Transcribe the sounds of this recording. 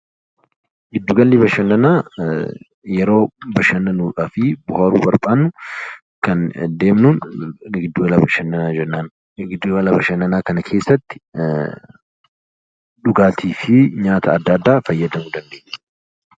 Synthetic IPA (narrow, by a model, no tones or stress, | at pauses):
ɡɪd̪ːuɡɐnlɪbɐʃɐnːɐnaː | jɛɾo̞ːbɐʃɐnːɐnuːᶑaːfɪbʊhaːɾuːbɐɾbaːnːʊ | kɐnd̪e̞ːmnuːnɡɪd̪ːuɡɐlɐbɐʃɐnːɐnaːd͡ʒɛnːaːn | ɡɪd̪ːuɡɐlɐbɐʃɐnːɐnaːkɐnɐkʰeːsːɐt̪ːɪ̥ | ᶑʊɡaːt̪ʰiːfɪɲaːt̪ʰɐːd̪ːɐːd̪ːaːfɐjːɐd̪ɐmʊd̪ɐnd̪e̞ːɲːɛ